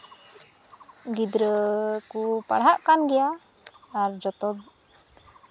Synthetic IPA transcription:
ɡid̪ɾəkupa̰ɽɦaʔkanɡɛjaː | ɾd͡ʒɔt̪ɔd̪

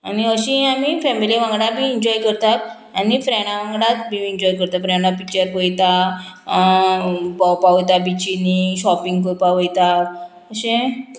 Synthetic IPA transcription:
aniəɕĩamifɛmiliʋãŋɡɽabʱiːɲd͡ʑɔjkəɾt̪at̪ | anifɾɛɽ̃aʋãŋɡɽãt̪bʱiːɲd͡ʑɔjkəɾt̪afɾɛɳapikt͡ɕəɾkojt̪a | pɔwpaʋojt̪abit͡ɕiniɕɔpiŋɡkojpaʋojt̪a | əɕẽ

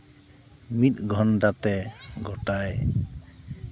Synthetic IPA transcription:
mit̪̚ˀɡʱɔnʈat̪ɛɡɔʈaj

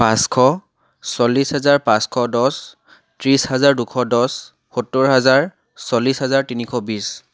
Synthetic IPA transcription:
pãskʰɔ | sɔlːisɦɛzaɹpãskʰɔdɔs | tɹishazaɹdukʰɔdɔs | xutːɔɹɦazaɹ | solːisɦɛzaɹtinikʰɔbis

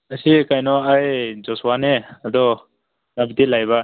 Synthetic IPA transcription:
əsikajnɔajzɔswanead̪ɔ | nabit̪ilajβa

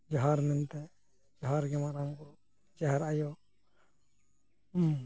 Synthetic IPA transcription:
d͡ʒɔɦaɾmɛnt̪ɛ | d͡ʒɔɦaɾɡɛmaɾamkuɾu | d͡ʒaɦɛɾajɔ

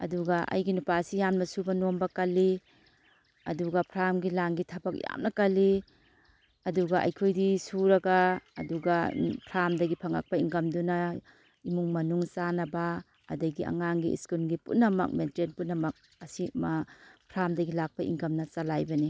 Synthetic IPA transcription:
ɐ̰duɡaʔɐ̰jɡinupaːsijamnɐsubɐnombɐkɐlːi | ɐduɡapʰɾamɡilaŋɡitʰɐbak̚ja̰mnɐkɐlːi | ɐduɡaʔɐ̰jkʰojdisuɾɐɡa̰ːduɡapʰɾamdɐɡipʰaŋa̰k̚paiŋkɐmduna | imuŋmɐnuŋt͡ʃanɐbaː | dɐɡia̰ŋaŋɡiḭskulɡipṵtnɐmɐ̰k̚mentɾenpunɐmɐk̚ | ɐsimapʰɾamdɐɡilak̚paḭŋkɐmnɐt͡ʃalajbɐni

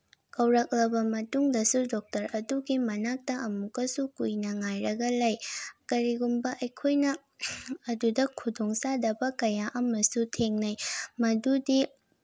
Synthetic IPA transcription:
kɐwɾɐk̚lɐbɐmɐtuŋdɐsudɔk̚tɐɾɐduɡimɐnak̚tɐʔɐmukɐsukujnɐŋajɾɐɡɐlajkɐɾiɡumbɐʔɐjkʰojnɐː | dudɐkʰudoŋsadɐbɐkɐjaʔɐmɐsutʰeŋnɐjmɐdudi

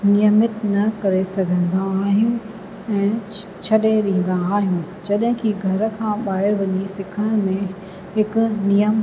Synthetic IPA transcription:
nijəmət̪nɐkɐɾesɐɡʱə̃nd̪aːɦɪjũ | ɛ̃ː | t͡ɕʰɐɗeɗĩə̃n̆d̪aːɦijũ | d͡ʑɐɗɦɪ̃kiɡʱɐɾkʰãːɓaːɦɪɾʋɐɲisɪkʰəɽ̃mẽ | hɪkʊnijəm

